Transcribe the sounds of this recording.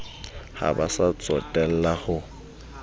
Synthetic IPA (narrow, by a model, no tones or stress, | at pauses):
ha̰basat͡sʼɔtʼɛl̩lahʊ